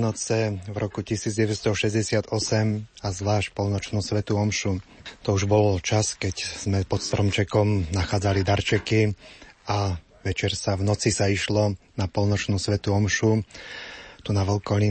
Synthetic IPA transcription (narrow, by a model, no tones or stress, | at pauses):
nɔt͡sɛvɾʔɔkucisiːd͡zɟɛʋɛst̪ɔʃɛzɟɛsɪad̪ɔsɛmazʋlaːʃc̚pɔlnɔt͡ʃnuːsʋɛt̪uɔmʃut̪ɔuʒbɔlt͡ʃaskɛcz̥mɛpɔt̪st̪ɾɔmt͡ʃɛkɔmnaxaːd͡zalid̪aɾt͡ʃɛkia | ʋɛt͡ʃɛɾsavnɔt͡sisaiʃlɔnapɔlnɔt͡ʃnuːsʋɛt̪uɔmʃu | t̪unaʋɛlkɔli